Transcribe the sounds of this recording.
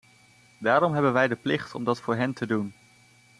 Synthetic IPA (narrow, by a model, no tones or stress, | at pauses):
daːɾɔmɦɛbənʋɛjdəplɪχtɔ̰mdɑtfʊːɹɦɛntədun